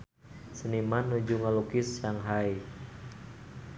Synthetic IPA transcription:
sənimanːud͡ʒuŋalukɪsjaŋɦai

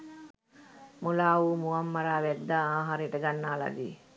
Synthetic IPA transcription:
mulaːʋuːmuʋamːaɾaːʋæd̪ːaːaːɦaɾejəʈəɡanːaːla̰d̪ḭː

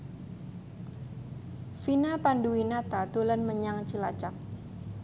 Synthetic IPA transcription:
finapanduwinat̪at̪olanməɲaŋt͡ʃəla̰t͡ʃak̚

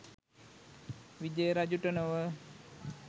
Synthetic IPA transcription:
ʋid̪ejəɾad͡ʒuʈənəʋə

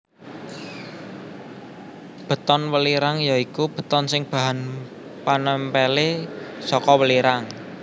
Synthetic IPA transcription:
b̥ə̤t̪ɔnwəliɾaŋjaikub̥ə̤t̪ɔnsɪŋb̥a̤ɦan | panəmpelesɔkɔwəliɾaŋ

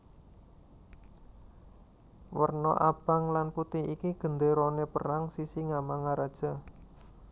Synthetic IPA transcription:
wərnɔ̰ʔab̥a̤ŋlanput̪iikiɡ̥ənd̪eɾonepəraŋsisiŋamaŋaɾad̥ʒ̥a̤

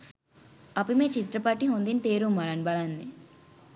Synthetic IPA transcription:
ɐpimeːt͡ʃit̪ɾɐpaːʈiɦond̪int̪eːɾumɐɾanbɐlanːi

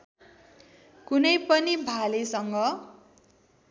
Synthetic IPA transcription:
kunʌjpʌnibʱalesʌŋɡʌ

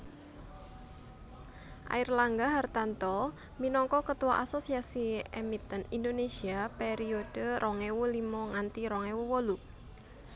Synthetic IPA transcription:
ʔa̰irlaŋɡaɦart̪ant̪ɔ | minɔŋkɔkət̪uwaʔasosiasiemit̪ənindonesiapeɾiod̥əɾʔɔŋewulimɔŋant̪iɾɔŋewuwɔlu

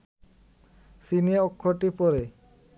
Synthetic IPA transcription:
sinieokʰːoʈipɔɾe

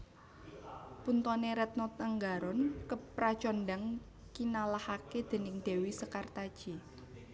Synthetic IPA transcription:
punt̪ɔneɾɛt̪̚nɔt̪əŋɡaɾɔnkəpɾḁt͡ʃɔnɖaŋ | kinalahaked̪̥e̤nɪŋd̪̥e̤wisəkart̪ad̥ʒ̥i

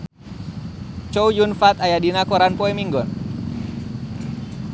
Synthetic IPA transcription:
t͡ʃɔujunfat̪ajadinakɔɾanpɔɛmiŋɡɔn

